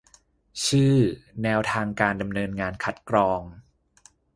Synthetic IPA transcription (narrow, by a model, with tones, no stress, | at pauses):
t͡ɕʰɯː˥˩nɛː˧wt̪ʰaː˧ŋkaː˧nda˧mnɤː˧nŋaː˧nkʰa˦˥t̪̚kɾɔː˧ŋ